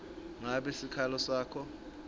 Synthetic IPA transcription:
ŋaɓesikʰalɔsaːkʰɔ

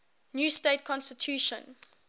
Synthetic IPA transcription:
njuːstetkʰɔ̃nstitʰjuːʃə̰̃n

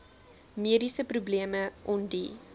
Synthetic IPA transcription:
miədisəprubliəməʔɔndi

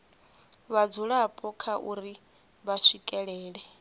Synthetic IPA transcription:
βad͡zuɺapʼɔkʰaʔṵɾi | βaʂikʼɛɺɛːɺɛ

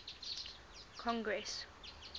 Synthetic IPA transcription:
kʰɔ̃ŋɡɹɛs

